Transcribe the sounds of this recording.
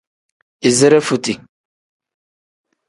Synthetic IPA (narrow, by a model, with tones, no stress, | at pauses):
i˨zɛ˦ɾɛ˦fu˨ti˨